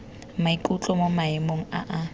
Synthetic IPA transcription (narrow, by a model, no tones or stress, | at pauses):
maikʼut͡ɬʼɔmomaɪmoŋ̩a̰ʔa